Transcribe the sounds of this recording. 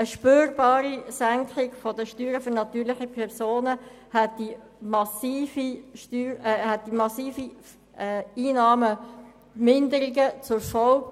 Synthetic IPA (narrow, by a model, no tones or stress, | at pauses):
əʃpøːɾbɑːɾisæŋkχɪɡfɔdəʃtyːɾəføɾnɑt̪yːɾlɪχəpʰɛɾsoːnə | hɛt̚d̥i | mɑsiːfiʃtyːɾhɛt̚d̥imɑsiːfi | iːnɑːmə | mɪnd̪əɾɪɡət͡sʊɾfɔwk